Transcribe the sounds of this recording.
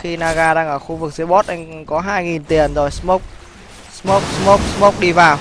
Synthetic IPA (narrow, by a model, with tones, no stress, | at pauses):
xi˧naː˧ɣaː˧ɗaː˧ŋʔəː˧˩xu˧vɨ˨˩k̚zi˨˦ɓo˦˥t̚ʔa˧jŋ̟kɔ˨˦ɦaː˧jŋi˨˩nt̪i˨˩ənzɔ˨˩jsmo˦˥k̚ | smo˦˥k͡p̚smo˦˥k͡p̚smo˦˥k͡p̚ɗi˧vaː˨˩w